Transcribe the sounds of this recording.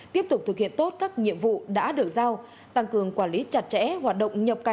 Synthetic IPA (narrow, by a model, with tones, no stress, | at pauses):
t̪i˦˥əp̚t̪k͡p̚t̪ɨ˨˩khḭ˧˨ənt̪o˦˥t̚kaː˦˥k̚ɲḭ˧˨əmvṵ˧˨ɗa̰ː˧˥ɗɨ˨˩ək̚zaː˧w | t̪a˧ŋkɨ˨˩əŋkwaː˧˩nli˨˦t͡ɕa˨˩t̚t͡ɕɛ̰˧˥ɦwaː˨˩t̚ɗə̰˧˨wŋ͡mɲə˨˩p̚kaː˨˩